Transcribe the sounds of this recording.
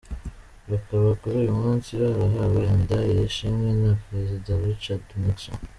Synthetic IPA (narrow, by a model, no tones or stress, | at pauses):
βakaβakuɾujumŋaːnt͡siβaɾaɦaweːndaijeʃimŋenapɾe̞zidaɾit͡ʃadmisa̰